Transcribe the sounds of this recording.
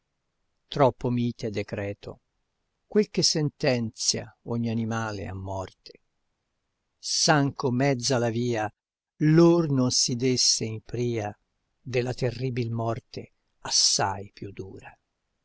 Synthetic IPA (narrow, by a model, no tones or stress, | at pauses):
t̪ɾɔpːomiːt̪ed̪ːekɾɛːt̪ʰo̰ | kwelkesːɛnt̪ɛnt̪sja̰oɲːianimaːlḛa̰mːɔrt̪ʰe̥ | saŋkomɛd̪zːalaviːa | lornonsid̪esːeimpɾiːa | d̪elːat̪erːiːbilmɔrt̪e | asːajpjud̪ːuːɾa